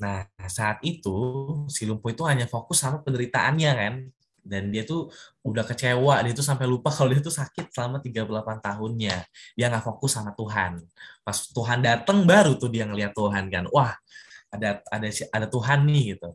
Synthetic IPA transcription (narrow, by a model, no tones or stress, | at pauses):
nasaːt̪it̪usilumpoit̪uɦaɲafokʊsːamapəndəɾit̪aʔanɲakan | dandiat̪uudahkət͡ʃewadiat̪̬us̬ampɛjlupakalodiat̪usakɪt̪̚səlamat̪iɡapulapant̪aɦʊnɲadiaŋɡaʔfokʊsːamat̪uɦanpasʊ̥t̪uɦandat̪əŋbaɾut̪ʊhdiaŋəliat̪ːuɦankanwahadaadaadat̪uɦanːɪhɡit̪u